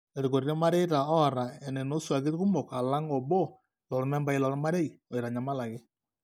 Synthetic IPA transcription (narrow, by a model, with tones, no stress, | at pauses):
e˨ɾko˨ɾɾe˦ma˦ɾɛ˦jɾa˨ɔ˦˨ɾa˨ɛ˨nɛ˨no˦swa˨kɪ˦tku˦mɔ˨ka˨la˦ŋɔ˨bɔ˦ | lɔ˨ɾmɛ˦mba˦i˦lɔ˨ɾma˦ɾe˦i˨ɔ˨jɾa˨ɲa˨ma˦la˨kɪ˦